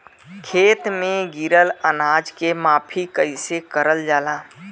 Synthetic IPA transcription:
kʰeːt̪mẽɡiɾələnaːd͡ʒkemaːpʰikəɪsekəɾəld͡ʒaːlaː

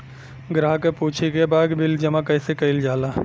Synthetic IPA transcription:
ɡɾaːɦkepuːt͡ʃʰikebaːd̪bʱɪld͡ʒɐmakɐɪsekɐɪld͡ʒaːlaː

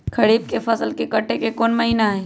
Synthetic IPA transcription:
kʰɐɽiːb̚kefɐsəlkekɐʈʰːekekɔːnmɐɦiːnaɦɛː

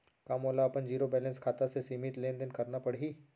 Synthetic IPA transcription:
kaːmoːlaɐpənd͡ʒiːɾobɛːlə̃nskʰaːt̪asesiːmit̪leːnd̪ɪnkɐɾnapɐɽɦiː

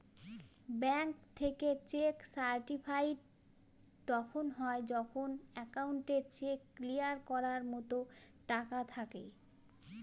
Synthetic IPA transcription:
bɛŋkt̪ʰeket͡ɕeksaɾʈipʰajʈ̚ | t̪ɔkʰonɦɔed͡ʑɔkʰonɛkauɳʈeɾt͡ɕekːlijaɾkɔɾaɾmɔt̪oʈakat̪ʰakḛ

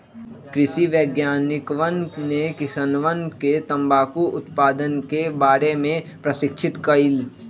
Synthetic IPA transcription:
kɾɪʃiʋjəːɡjaːnɪkʋənnekɪsənʋənket̪ɐ̃mbaːkuʔʊt̪paːd̪ənkebaːɾemẽpɾɐʃɪkʃʰɪt̪kɐɪl

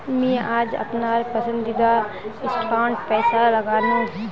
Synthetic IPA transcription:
mɛ̃ːaːd͡ʒɐ̰pnaːɾpəsə̃nd̪id̪a | ɪsʈʰaːɳʈpɛːsalɐɡaːnũː

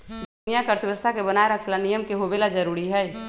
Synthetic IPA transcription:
d̪ʱʊnijakəɾt̪ʰəbəst̪ʰakebənaːeɾəkʰlanijəmkeɦobelad͡ʒəɾuːɾiɦɛː

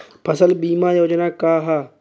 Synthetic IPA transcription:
pʰɐsəlbiːmaːjoːd͡ʒnaːkaːɦaː

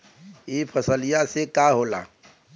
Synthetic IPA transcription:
epʰəsəlijasekaɦoːla̰ː

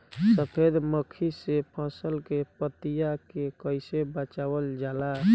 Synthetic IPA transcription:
səpʰed̪məkʰisepʰãsəlkepət̪ijakekəɪsebət͡ʃaːwəld͡ʒaːla

